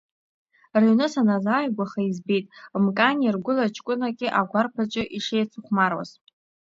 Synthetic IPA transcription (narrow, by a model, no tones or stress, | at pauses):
renɨsanazaːjɡʷaχaizbejtʼmkʼanʲirɡʷʊlat͡ʃʰkʷʼʊnakʲʼɪʔaɡʷarpʰat͡ʃʷʼɪʔiʂejt͡sʰuχʷmarwa̰z